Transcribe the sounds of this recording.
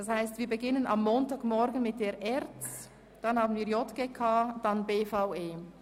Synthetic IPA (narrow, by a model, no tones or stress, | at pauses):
d̥ɑshaɪstviːɐɾbeɡɪnənʔɑ̰mːoːntɑːɡmɔɾɡən̩mɪt̚d̥eːɾʔɛʁt͡s | d̥ɑnhɑːbn̩viːɐjɔtɡ̥eːkʰaːd̥ɑnbeːfaʊeː